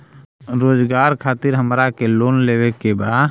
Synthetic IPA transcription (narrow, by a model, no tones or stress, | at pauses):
ɾoːd͡ʒɡaːɾkʰaːt̪ɪɾɦəmɾakeloːnleːwekebaːd̪